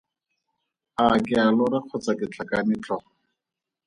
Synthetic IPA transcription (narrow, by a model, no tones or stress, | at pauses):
akɪalɔraq͡χʰɔt͡sakɪt͡ɬʰakanɪt͡ɬʼɔ